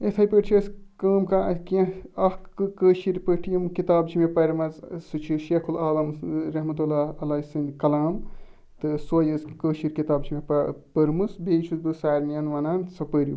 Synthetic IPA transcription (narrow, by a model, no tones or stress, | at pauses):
et̪ʰɐjpəɾt͡ʃʰiɐskɐːmkaɐkɐ̃ɐhkɨkəːʃiɾpəʈʰijɐmkit̪aːbt͡ʃʰimepɐɾmɐzsɨt͡ʃʰiʃekʰulaːlɐmɾɐɦmɐt̪ulaːɐlɐːisɐnd̪kɐlaːm | t̪ɨsojɨskəːʃiɾkit̪aːbt͡ʃʰimeppɐɾmɨsbeːt͡ʃʰuzbɨsaːɾnijɐnʋɐnaːnsɐpəɾḭ